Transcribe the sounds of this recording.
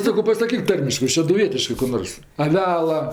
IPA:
ˈsɑːkoː pɐsɐˈkʲiːk ˈtɐrʲmʲɪʃkɜ ʃʲɛdʊˈʋʲiɛtʲɪʃkɜ kʊ ˈnoːrs ɐˈʋʲæːlˠɐ

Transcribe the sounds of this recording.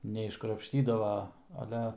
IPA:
nʲɛɪʃkrɐpʲʃʲˈtʲiːdɐʋɐ ɐˈlʲɛ

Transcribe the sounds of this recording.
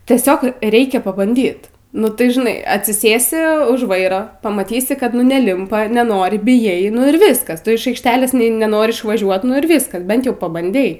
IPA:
tʲiɛˈsʲoːk ˈrʲɛɪkʲɛ pɐbɐnʲˈdʲiːt nʊ ˈtɐɪ ʒʲɪˈnɐɪ ɐtʲsʲɪˈsʲeːsʲɪ ʊʃ ˈʋɐɪroː pɐmɐˈtʲiːsʲɪ ˈkɐt nʊ nʲɛˈlʲɪmpɐ nʲɛˈnoːrʲɪ bʲɪjˈɛɪ nʊ ɪr ˈʋʲɪskɐs ˈtʊ ɪʃ ˈɐɪkʃʲˈtʲæːlʲeːs ˈnʲɛ nʲɛˈnoːrʲɪ ɪʃʋɐˈʒʲuɔt ˈnʊ ɪr ˈʋʲiːskɐs ˈbʲɛnt ˈjɛʊ pɐbɐnʲˈdʲɛɪ

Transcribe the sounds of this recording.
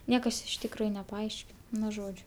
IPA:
ˈnʲiɛkɐs ɪʃ tʲɪkˈruːjʊ nʲɛpɐˈɐɪʃʲkʲɪn ˈnʊ ˈʒoːd͡ʒʲʊ

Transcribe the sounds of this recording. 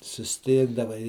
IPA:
sʊsʲˈtʲɪɡdɐʋɐɪ

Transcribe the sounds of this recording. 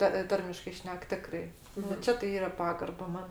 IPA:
tɐ ˈtɐrʲmʲɪʃkɐɪ ˈʃʲnʲɛk ˈtʲɪkrɐɪ nʊ ˈt͡ʃʲɛ tɐɪ ˈiːrɐ ˈpɑːɡɐrbɐ ˈmɐn

